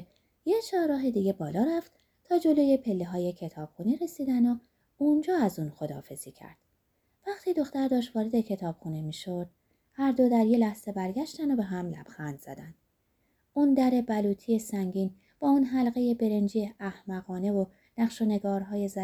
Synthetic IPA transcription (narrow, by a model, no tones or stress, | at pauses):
jet͡ʃʰɒːɾɒːɦed̪iːɟe̞bɒːlɒːɾæft̪ | t̪ʰɒːd͡ʒo̞loje̞pʰe̞lːeɦɒːjecʰet̪ʰɒːb̥xuːniɾe̞siːd̪æno | und͡ʒɒːæzuːnxo̞d̪ɒ̰ːfe̞z̥iːcʰæ̰ɾd̪̥ | væχt̪ʰiːd̪o̞xt̪æɾd̪ɒːʃt̪vɒːɾe̞d̪e̞cʰe̞t̪ʰɒːb̥xuːnemiːʃo̞d̪̥ | hæɾd̪o̞d̪æɾje̞læhz̥e̞bæɾɡæʃt̪ænd̪obe̞ɦæmlæ̰b̥xænd̪z̥æ̰d̪ænd̪̥ | und̪æɾe̞bæluːt̪ʰijesæŋɟiːn | b̥ɒːuːnɦælɣe̞je̞be̞ɾe̞nd͡ʒiːeʔæhmæɣɒːne̞vo | næχʃone̞ɡɒːɾɦɒːje̞zæ